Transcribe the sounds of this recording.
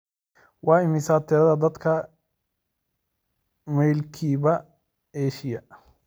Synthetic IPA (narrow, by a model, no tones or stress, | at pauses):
wʔɑːɪmɪsaːt̪ʰɪɾɐðɐd̪ɐd̪kʰɐ | mɛjlkʰiːβɐ | ɛːʃɪjɐ